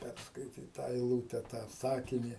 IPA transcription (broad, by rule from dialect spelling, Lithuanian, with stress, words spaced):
ˈpʲærskɐɪtʲiːt ˈtɑː ɛɪˈlˠuːtʲɛ tɑː ˈsɑːkʲɪnʲɪ